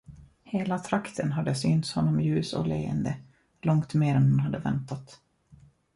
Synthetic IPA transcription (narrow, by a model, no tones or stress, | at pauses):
heːlat̪ʰɾakt̪ʰənɦad̪ːəsyːnt̪shɔnːɔmjʉ̟ːsɔ̰lḛːə̰nd̪ə | lɔŋkt̪neːɾɛnhʊnɦad̪ːəvɛ̰nt̪at̪